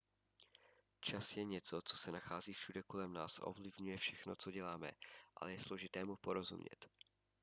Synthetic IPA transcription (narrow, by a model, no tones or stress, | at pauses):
t͡ʃasjɛɲɛt͡so̞t͡so̞̥sɛnaxaːziːfʃudɛko̞lɛmna̰ːsaʔo̞̰vlɪvɲujɛfʃɛxno̞t͡so̞ɟɛlaːmɛ̰ʔa̰lɛjɛslo̞ʒɪt̪ɛːmupo̞ɾo̞zṵmɲɛ̰t̪